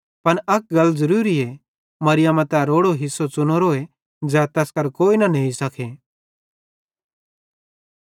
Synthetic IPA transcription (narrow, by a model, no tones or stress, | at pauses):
pɐnɐk̚ɡɐlːzɐɾuːɾiɛ | mɐɾɪjamãt̪ɛɾoːɽoɦɪsːot͡sʊnoɾoe | d͡zɛːt̪ɛskɐɾkoːinanɐɦĩsɐkʰeː